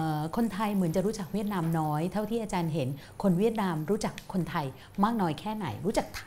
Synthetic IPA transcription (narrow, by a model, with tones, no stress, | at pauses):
kʰo˧nt̪ʰa˧jmɯ˩˦ənt͡ɕa˨˩ɾuː˦˥t͡ɕa˨˩k̚wi˥˩ət̪̚naː˧mnɔː˦˥jt̪ʰa˥˩wt̪ʰiː˥˩ʔːt͡ɕaː˧nɦe˩˦n | kʰo˧nwi˥˩ət̪̚naː˧mɾuː˦˥t͡ɕa˨˩kʰːo˧nt̪ʰa˧j | maː˥˩k̚nɔː˦˥jkʰɛː˥˩na̰˩˦jɾu˦˥t͡ɕa˨˩k̚t̪ʰ